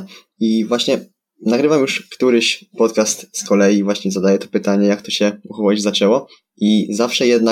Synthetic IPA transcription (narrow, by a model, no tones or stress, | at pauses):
ivwaɕɲɛ | naɡɾɘvamjuʂkt̪uɾɘɕpɔt̪kast̪skɔlɛjivwaɕɲɛzad̪ajɛt̪ɔ̥pɘt̪aɲɛjakt̪ɔɕɛuxɔwad͡ʑzat͡ʂɛwɔ | ʔizafʂɛjɛd̪̚na